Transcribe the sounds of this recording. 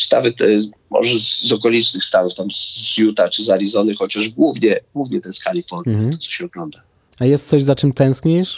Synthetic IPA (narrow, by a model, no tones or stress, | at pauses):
st̪a̰vɨtt̪ɛ | mɔ̰ʐɛzzɔkɔlʲit͡ʂnɘxst̪anuft̪amzjut̪at͡ʂɘzaɾʲizɔnɨxɔt͡ɕaʐɡwuvɲɛɡwuvɲɛt̪ɛskalʲifpɔɾɛɔt̪sɔ̥ɕɛɔɡlɔnd̪a | ajɛst̪sɔʑzat͡ʂɘmt̪ɛ̃w̃skɲejʂ